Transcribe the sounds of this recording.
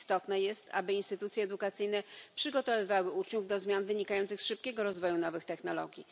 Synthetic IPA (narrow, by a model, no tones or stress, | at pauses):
st̪ɔt̪nɛjɛst̪a̰bɘinst̪ɘt̪ut̪sjɛːd̪ukat̪sɘjnɛpʂɘɡɔt̪ɔvɘvawɘut͡ʂɲuvd̪ɔzmʲjanvɘɲikajɔntsɘxsʂɘp̚kʲɛɡɔɾɔzvɔjunɔvɘxt̪ɛxnɔlɔ̰ɡʲi